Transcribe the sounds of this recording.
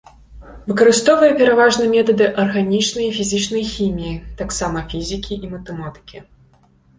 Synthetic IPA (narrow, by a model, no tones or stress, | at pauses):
vɨkɐɾɨst̪ɔvɐjɛpʲɛɾavaʐnɨmʲɛt̪ɐd̪ɨʔɐrɣanʲit͡ʂnɐjifʲizʲit͡ʂnɐjxʲimʲijit̪aksamɐfʲizʲikʲiʔimɐt̪ɛmat̪ɨ̥kʲi